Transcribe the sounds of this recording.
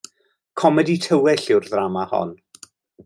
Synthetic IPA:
kʰɔmɛditʰəwɛɬɪwrðramahɔ̰n

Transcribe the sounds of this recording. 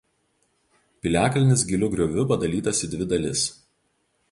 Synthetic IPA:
pʲɪlʲæːkɐlʲɪnʲɪs̬ɡʲɪlʲʊɡɾʲɔʋʲʊpɐd̪ɐlʲiːt̪ɐsʲɪd̪ʲʋʲɪd̪ɐlʲɪs

